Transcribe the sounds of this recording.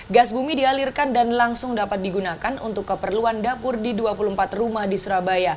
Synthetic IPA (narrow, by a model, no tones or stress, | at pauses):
ɡasbumidialirkandanlaŋsʊŋdapat̪̚diɡunakanʔṵnt̪ʊkːəpərluandapʊrdiduapuluhəmpat̪rumahdisuɾabaja